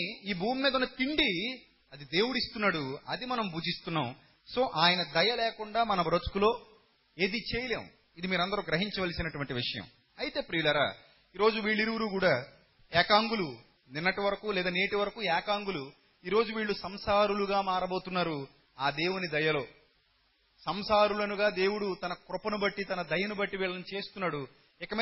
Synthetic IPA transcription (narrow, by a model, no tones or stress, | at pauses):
iːbʱuːmːiːd̪ɐunːɐt̪iɳɖi | ɐd̪id̪e̞ːwuɽist̪unːaːɽuɐ̰d̪imɐnɐmbʱuːd͡ʒist̪unːaːm | so̞ːʔaːjɐnɐd̪ɐjɐlɛːkuɳɖaːmɐnɐbɾot̪u̥kulo̞ː | eːd̪it͡ʃeːjɐleːm | id̪imiːɾɐnd̪ɐɾuɡɾɐɦiɲt͡ʃɐʋɐlisinɐʈuʋɐɳʈiʋiʂɐjɐ̰m | ɐjit̪e̞ːpɾiːɭɐɾa̰ː | iːɾo̞ːd͡ʒuʋiːɭːiɾuʋɐɾuːkuːɽaː | ɛːkaːŋɡulu | ninːɐʈiʋɐɾɐkuːlɛːd̪aːneːʈiʋɐɾɐkuːɛːkaːŋɡulu | iːɾo̞ːd͡ʒuʋiːɭːusɐmsaːɾuluɡaːmaːɾɐboːt̪unːaːɾu | aːd̪e̞ːwunid̪ɐjɐlo̞ː | sɐmsaːɾulɐnuɡaːd̪e̞ːwuɽut̪ɐnɐkɾupɐnubɐʈːit̪ɐnɐd̪ɐjɐnubɐʈːiʋiːɭːɐnut͡ʃe̞ːst̪unːaːɽu | ɪkɐmi